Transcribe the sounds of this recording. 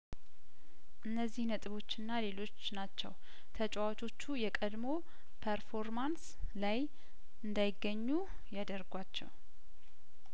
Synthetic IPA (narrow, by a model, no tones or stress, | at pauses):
ʔɨnːəzːihnət̪ʼɨβo̞t͡ʃːɪnːale̞lo̞t͡ʃːnat͡ʃːɛ̰w | t̪ʰət͡ʃʼwat͡ʃʰʼo̞t͡ʃːujɛkʼəd̪mo̞ | pʰəɾfo̞ɾmans | laj | ʔɨnd̪ajɪɡːəɲːu | jad̪əɾɡʷat͡ʃːɛ̰w